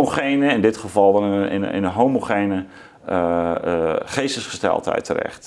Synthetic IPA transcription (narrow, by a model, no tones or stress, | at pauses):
oχejnəɪndɪtχəvɑlˠdɔnəɪ̰nɪ̰nənɦowmoχejnə | χejsəsχə̥stɛ̰lˠtɦɛ̰jtʰərɛ̰χt